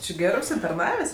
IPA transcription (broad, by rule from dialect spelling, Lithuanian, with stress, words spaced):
t͡ʃʲɪ ˈɡʲæːrɜ ʊʃʲsʲɪtɐrˈnɑːʋʲeːsʲ